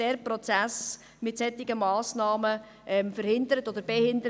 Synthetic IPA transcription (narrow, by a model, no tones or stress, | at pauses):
ɛːɾprɔt͡sæs | mɪtsɛtːɪɡəmɑːsnɑːmə | ʔɛmfəɾhɪndəɾətod̥̪əɾb̥ɛhɪndəɾ